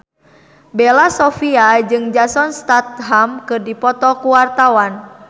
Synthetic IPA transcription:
bɛlasɔfiad͡ʒɨŋd͡ʒasɔnst̪at̪̚ɦamkɨrdipɔt̪ɔkuwart̪awan

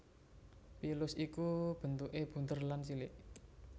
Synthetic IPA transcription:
pilʊsikub̥ə̤nt̪uʔeb̥ṳnt̪ərlansilɪʔ

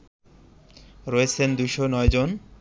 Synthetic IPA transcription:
ɾɔet͡ɕʰend̪ujʃonɔed͡ʑon

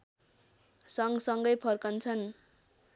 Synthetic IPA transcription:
sʌŋɡsʌŋɡʌjpʰʌrkʌnt͡sʰʌn

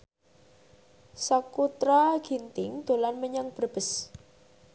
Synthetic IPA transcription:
sakut̪ɾaɡ̥int̪ɪŋd̪̥o̤lanməɲaŋb̥ərb̥ə̤s

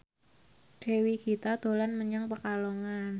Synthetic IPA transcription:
ɖ̥e̤wiɡ̥i̤t̪ad̪̥o̤lanməɲaŋpəkaloŋan

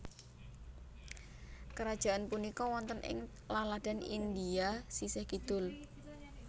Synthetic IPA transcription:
kəɾad̥ʒ̥a̤ʔanpunikɔwɔnt̪ənʔɪ̰ŋ | lalad̪̥a̤nind̪iasisɪhkid̪̥ʊl

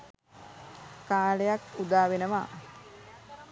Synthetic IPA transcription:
kaːlejakud̪aːʋenəʋa

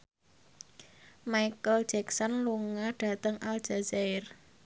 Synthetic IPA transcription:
majkəl̥d͡ʒɛksɔnluŋaɖ̥a̤t̪əŋʔal̥d͡ʒ̥a̤zaɪr

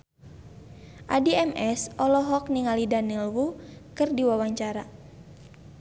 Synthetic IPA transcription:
ʔadiɛmʔɛsʔɔlɔɦɔkniŋalidanilwukɨrdiwawaɲt͡ʃaɾa

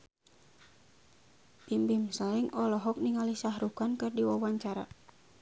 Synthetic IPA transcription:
pimbimsaiŋɔlɔɦɔk̚niŋalisahɾukankɨrdiwawaɲt͡ʃaɾa̰

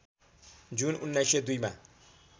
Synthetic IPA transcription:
d͡zununːajsed̪ujma̰

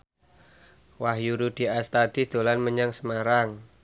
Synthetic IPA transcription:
waɦjuɾud̪̥i̤ast̪ad̪̥i̤d̪̥o̤lanməɲaŋsəmaɾaŋ

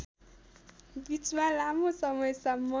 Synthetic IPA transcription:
bit͡smalamosʌmʌjsʌmːʌ

